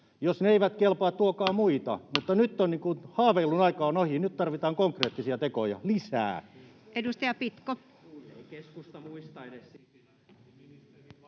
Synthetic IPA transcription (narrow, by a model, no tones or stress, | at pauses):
josneeiʋæt̪kelpɑːt̪t̪uokɑːmuit̪ɑ̰mut̪ːɑnyt̪ːonniːŋkunhɑːʋeilːunɑikɑːnohinyt̪t̪ɑrʋit̪ɑːŋkoŋkreːt̪ːisiɑt̪ekojɑ̰lisæ̰ː | ʔedust̪ɑjɑpit̪ko | eikeskust̪ɑuist̪ɑedess